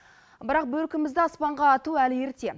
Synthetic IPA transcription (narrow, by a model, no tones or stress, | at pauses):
bɪɾɑq̚bɵlkʲɪmɪzd̪ɪɑspɑɴʁɑːt̪uælje̞ɾt̪e̞